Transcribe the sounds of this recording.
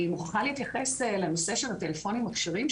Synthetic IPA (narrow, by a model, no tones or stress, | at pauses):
muχχaliit̪jɐχe̞selenose̞ʃelatelefo̞nimakʃiʁim